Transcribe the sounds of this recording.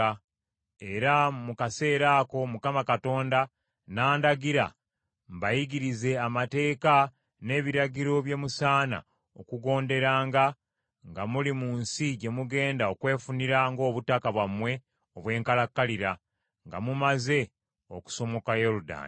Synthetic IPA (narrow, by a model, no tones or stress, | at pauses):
e̞ɾamukase̞ːɾaːko̞mukamakato̞ːnda | naːndaɡiɾa̰ | mbajiɡiɾize̞amate̞ːka | ne̞ːβiɾaɟiɾo̞βje̞musaːna̰ | okuɡo̞ːnde̞ɾaːŋɡa | ŋɡamulimuːnsiɟe̞muɡe̞ːndaokwe̞ːfuniɾaŋɡo̞ːβutakaβwamwe̞ | oβwe̞ːŋkalakːaliɾa | ŋɡa̰mumaze̞ | oku̥so̞mo̞kajoɾuda̰ːni